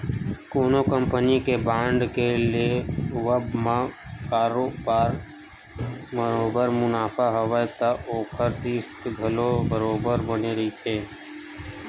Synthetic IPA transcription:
koːnokəmpənikebãːɳɖkelieʋəbmãkaːɾobaːɾ | məɾoːbəɾmʊnaːpʰaɦəʋajt̪aʔoːkʰəɾsisk̪ɡʱəlobəɾoːbəɾbəneɾəɦit͡ʃ̪ʰeː

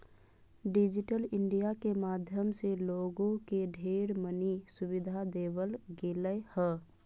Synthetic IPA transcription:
ɖɪd͡ʒɪʈəlɪɳɖijakemaːd̪ʱjəmseloːɡõkeɖʱeːɾmənisʊbɪd̪ʱad̪eːwəlɡeːləhɛ

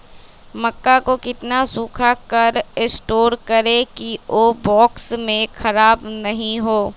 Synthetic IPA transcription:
mɐkːakokɪt̪nasuːkʰakɐɾɪsʈoːɾkɐɾẽkiʔobɔːksmẽkʰɐɾaːbnɐɦĩɦoː

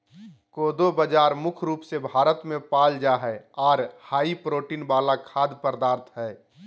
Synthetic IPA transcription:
koːd̪obəd͡ʒaːɾmʊkʰɾuːpsebʱaːɾət̪mẽpaːld͡ʒaɦɛɔːɾhaːipɾoːʈiːnbaːlakʰaːd̪pəɾd̪aːɾt̪ʰɦɛː

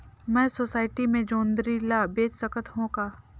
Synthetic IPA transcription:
mɛ̃ːsoːsaːɪʈimẽd͡ʒoːnd̪ɾilabeːt͡ʃsəkət̪ɦõkaː

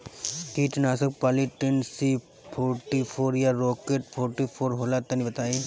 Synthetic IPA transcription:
k̪iːt͡ʃnaːsək̚paːliʈensi | pʰoːɾʈipʰoːɾjaɾoːkeːʈ̚pʰoːɾʈipʰoːɾɦoːlat̪ːɐnibɐt̪aːi

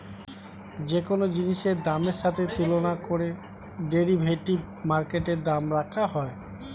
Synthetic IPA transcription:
d͡ʑekonod͡ʑiniʃeɾd̪ameɾʃat̪ʰet̪ilonakoɾe | ɖeɾibʱeʈib | maɾkeʈeɾd̪amɾakʰaɦɔe

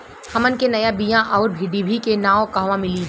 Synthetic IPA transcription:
hɐmənkenɐjabijãʔɔːɾbʱiɖibʱikenaːõkaɦʋãmɪliː

